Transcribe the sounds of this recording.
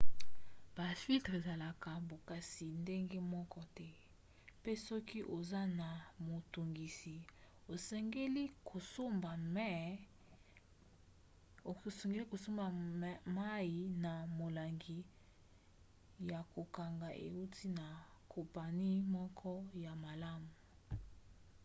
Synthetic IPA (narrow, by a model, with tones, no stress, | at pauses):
b̥a˨fi˦ltʁe˨za˨la˨ka˨bo˨ka˦si˨nde˦ŋɡe˦mɔ˦kɔ˦tɛ˦ | pe˦sɔ˦ki˦ʔo˨za˦na˨mo˨to˨ŋɡi˨si˨ | o˨se˦ŋɡe˦li˦ko˨so˦ba˨˦˨ | so˨ŋɡe˦li˦ko˨so˦ma˨ma˦ji˨na˨mo˨la˨ŋɡi˨ | ja˨ko˨ka˨ŋɡa˨ʔḛ˨u˦tʰi˦na˨kʰɔ˨mpa˨ni˦mɔ˦kʰɔ˦ja˨ma˨la˦mu˨